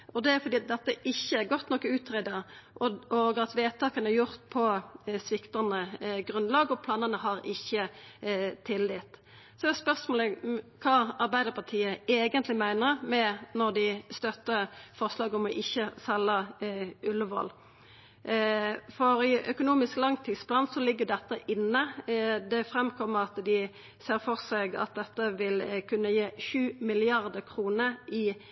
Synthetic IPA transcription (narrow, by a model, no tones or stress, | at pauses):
ɔd̪ɛfɔɾd̪iːɑt̪̚d̪ɛt̪ːəʔɪçːəæʁɡɔt̪ːnɔkːəʉːt̪ʰʁed̪əʔɔoːɡəɑt̪ʋeːt̪ʰɑːkənæjʊʁt̪̚pʰɔsʋɪkt̪ɑnəɡɾʉnlɑːɡɔpʰlɑːnənəɦɑʁɪçːə | t̪ʰɪlːɪt̪ | sɔɛspœʁsmoːləkʰɑːɑʁbæɪd̪əɾpʰɑt̪ʰiːəeːɡənt̪lɪmæɪnəʁmɛnɔʁd̪ɪst̪œt̪ːəfɔʁslɑːɡɔmɔʔɪçːəsɛlːəʔʉlːəʋɔ̰l | fɔɾɪʔœkʊnuːmɪsklɑŋt̪ʰiːd̪spʰlɑːnsɔlɪɡːəd̪ɛt̪ːəʔɪnːəd̪ɛfɾɛmkʰɔmːəʁɑt̪d̪ɪ | seːʁfɔʁseɡɑ̰t̪̚d̪ɛt̪ːəʋɪlkʰʉnːəjeːʃʉːmɪlɪɑʁd̪əkʰʁuːnəɪ